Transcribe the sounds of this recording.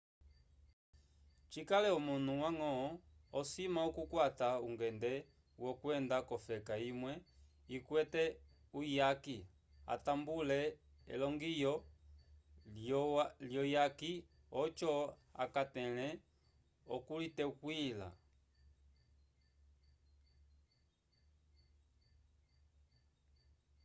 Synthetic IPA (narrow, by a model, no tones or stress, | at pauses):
t͡ʃikalɛɔmun̥̤uwaŋɔɔsimaɔkukwatauŋɡɛndɛ | wɔkwɛndakɔfɛkaimwɛ | ikwɛtɛ | ujaki | a̰tambulɛ | ɛ̰lɔŋɡijɔ | ljɔjaki | ɔt͡ʃɔa̰katɛlɛ | ɔkulitɛkwila̰